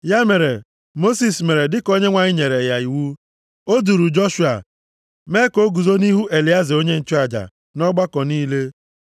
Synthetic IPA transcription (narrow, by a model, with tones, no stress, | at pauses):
ja˦me˨ɾe˨ | mo˦si˨sme˨ɾe˨dɪ˦ko˦ɲe˦ŋʷa˨ɲɪ˦ɲe˨ɾe˨ja˨i˨wu˦ | o˦du˨ɾu˨d͡ʒɔ˦ʃu˨a̰˨ | me˦ko˦ɡu˨zo˦ni˦ɦu˦ʔe˨li˨a˦zi˨o˦ɲe˦n̩˨t͡ʃu˦a˨d͡ʒa̰˨ | nɔ˦ɡ͡ba˦kɔ˨niː˦le˦